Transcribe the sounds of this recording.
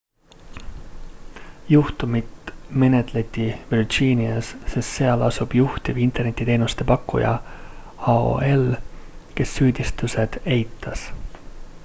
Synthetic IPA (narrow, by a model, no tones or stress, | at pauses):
juht̪umit̪me̞ne̞t̪ˑle̞t̪ʲːˑivird͡ʒiːniɑsse̞st̪se̞ɑlɑsub̥juht̪ivint̪e̞rne̞t̪ʲːit̪e̞ːnust̪e̞pɑkːṵjɑ̰ | ɑo̰e̞lke̞sːyːd̪̥ʲist̪use̞d̪̥e̞jt̪ːˑɑs